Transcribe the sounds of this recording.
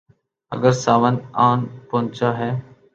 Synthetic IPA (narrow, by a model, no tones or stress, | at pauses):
ə̰ɡəɾsaːʋənaːnpõːnt͡ʃaːɦɛː